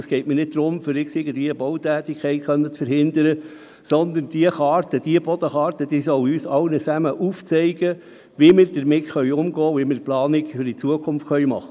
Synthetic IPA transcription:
ɑsɡ̥ɛɪtmiːnɪd̚d̪ɾʊmfʏɾɪksɪɡəndiəbɔwt̪æːt̪ikʰχɛɪtχœnːət͡sfəɾhɪnd̪əɾə | sɔnd̪ənd̥iəχɑːɾtəd̥iəb̥ɔd̥̪əχɑːɾt̪əd̥iːsɔʊyːsɑʊnət͡sæməʔuːft͡sɛɪɡ̥ə | ʋimɪːɾd̥əɾmɪtχœʏɥʊmɡɔːʋimɪːɾplɑːnɪkfʏɾdit͡suəkʰʊmftχœʏmɑχːə

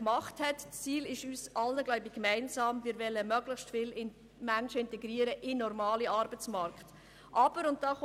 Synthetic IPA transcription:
kmɑχthɛtst͡siːlɪʃyːsʔɑlnəɡlœʊbɪ̥kmæɪnsɑːmvɪɾvɛlːəmœɡləχstfɪlɪn | mænʃəɪntɛɡɾiːəɾəʔɪnɔɾmɑːliɑɾbət͡smɑɾkχt | ʔɑb̥əɾʊnt̚d̥ɑːχ

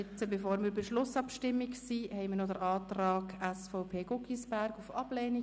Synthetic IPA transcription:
t͡səbefoːɾmiɾbeʃlʊsɑpʃtɪmːiksiːhɛɪmənɔdəɾɑːtrɑːɡæsfɔʊpʰeːɡʊkisb̥æɾɡufɑb̥leːni

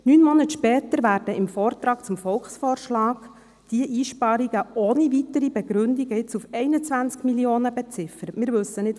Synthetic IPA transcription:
nyːnmɔnətʃpɛːt̪əɾʋæːrd̥əɪmfɔːrt̪ɾɑːkt͡sʊmfɔlχsfɔːrʃlɑːɡ | d̥iəʔiːʃpɑɾiɡəonivit̪əɾibɛɡɾʏndiɡəɪt͡sufɛɪnət͡sʋænt͡skmilioːnəbɛt͡sɪfəɾətmɪːɾʋɵsənɪt

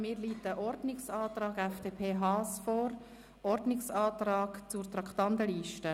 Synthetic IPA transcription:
miːɾliːtəʔɔɾdnɪksɑːt̪ɾɑːɡɛfd̥eːpʰeːɦɑːsfɔːɾ | ʔɔɾdnɪksɑːt̪ɾɑːɡ̥t͡surt̪ɾɑkχtɑnt̪əliːʃtə

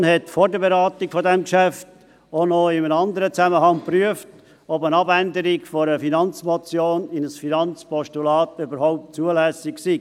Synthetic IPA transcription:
nhɛtfɔːɾdəbeɾɑːtɪkfɔdɛmkʃæft | onɔɪmənɑnd̪əɾət͡sæməhɑŋpryəft | ɔbənɑbændəɾɪɡfɔɾəfinɑnt͡smɔt͡sjoːnɪnəsfinɑnt͡spɔʃtulɑːtʏbəɾhɔʊp̚t̚t͡suəlæsɪksiː

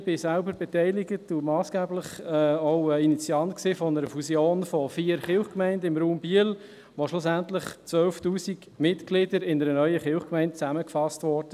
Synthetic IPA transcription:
b̥ɪsælbəɾbɛtɛɪlɪɡətumɑːsɡ̥ɛːbləχɛoʊəinit͡siɑntksiːfɔnəɾəfusjoːnfɔfiːəɾχɪlχkmæɪndəɪmɾuːmbiəl | ʋoʃlʊsæntləχt͡sʋœlftuːsiɡ | mɪtɡ̥lɪdəɾɪnəɾənœʏəχɪʊχkmɛɪntt͡sæməkfɑstʋɔɾdə

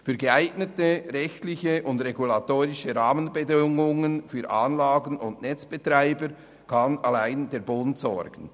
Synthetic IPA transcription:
fyːɾɡəaɪɡnətəɾɛçtlɪçəʔʊndʁeɡulatoːɾɪʃəɾaːmənbədɪŋʊŋənfyːɾʔaːnlaːɡənʊndnɛt͡sb̥ətʁaɪbəɾ | kʰɑnalaɪndeːɾbʊntsɔɾɡ̥ən̩

